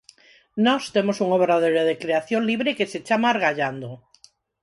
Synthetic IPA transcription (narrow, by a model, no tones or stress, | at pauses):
nɔst̪emosuŋoβɾaðeɾeðekɾeaθjonliβɾekeset͡ʃamaɾɣaʎand̪o